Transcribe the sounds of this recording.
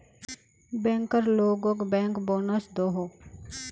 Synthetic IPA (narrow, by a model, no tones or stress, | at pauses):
bɛ̃ːŋkəɾloːɡokbɛ̃ːŋkboːnəsd̪oɦoː